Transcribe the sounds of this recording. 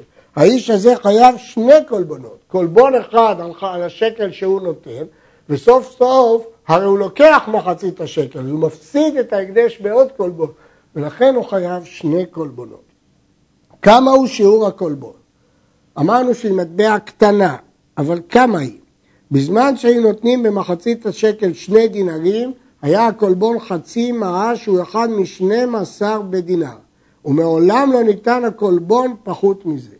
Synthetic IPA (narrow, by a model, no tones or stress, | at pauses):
haiʃaze̞χajavʃne̞ko̞lbono̞t̪ko̞lbo̞ne̞χad̪alalaʃe̞ke̞lʃehuno̞t̪e̞n | veso̞fsofhaʁejulo̞ke̞aχmaχat͡sit̪haʃe̞ke̞lzumafsid̪et̪aeɡd̪eʃbeo̞d̪kolbo̞n | ve̞laχe̞nuχajavʃne̞kolbono̞̰t̪ | kamauʃiuʁhako̞lbo̞n | amaʁnuʃeimat̪̚be̞akt̪anaː | valkamaḭ | bizmanʃeajuno̞t̪nimbe̞maχat͡sit̪aʃe̞ke̞lʃne̞jd̪inaʁim | hajaako̞lbo̞nχat͡simaaʃeueχad̪miʃne̞masaʁbed̪ina̰ʁ | umeo̞lamlo̞nit̪anhako̞lbo̞npaχut̪mize